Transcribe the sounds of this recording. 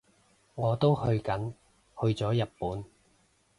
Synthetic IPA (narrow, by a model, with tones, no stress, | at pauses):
ŋɔː˨˧t̪o˥whɵ˧ɥkɐ˨˥n | hɵ˧ɥt͡sɔː˨˥jɐ˨t̚puː˨˥n